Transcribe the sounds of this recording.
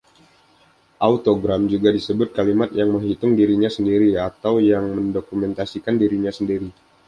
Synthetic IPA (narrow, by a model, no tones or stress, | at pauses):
ʔaut̪oɡɾamd͡ʒuɡadisəbʊt̪̚kalimat̪jaŋməŋɦit̪ʊŋdiɾiɲasəndiɾiat̪awjaŋməndokumɛnt̪asikandiɾiɲasəndiɾi